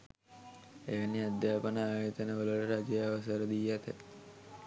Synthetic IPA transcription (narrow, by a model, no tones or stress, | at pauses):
eʋənːiad̪jaːpənaːʋet̪ənəʋələləɾad͡ʒjaʋəsəɾəd̪ijːat̪e